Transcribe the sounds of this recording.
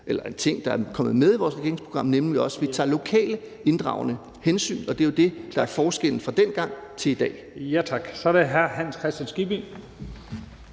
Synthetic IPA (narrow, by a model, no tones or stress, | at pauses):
ʔelɐe̝nt͡sʰe̝ŋ̰d̥ɑ̈æɐkʰɒ̽m̰ð̩ˠmeð̞ˠiʋɒːsʁɛɡe̝ɐeŋspʰʁo̝ɡ̥ɑ̈m̰nemliɒ̽sʋit͡sʰɑ̰̈ːlo̝kʰɛ̰ːlə | e̝nd̥ʁɑ̈ʊnə | hensy̰ːnɒ̽d̥e̝jo̝d̥e̝d̥ɑ̈æɐfɒːsɡ̥el̰n̩fʁɑ̈d̥en̰ɡ̥ɑ̈ŋ̰t͡sʰe̝lid̥ɛ̰ː | jæt͡sʰɑ̈ɡ̥sɒɾeɦæɐɦæn̰skʰʁɛsd̥jænsɡ̥ib̥in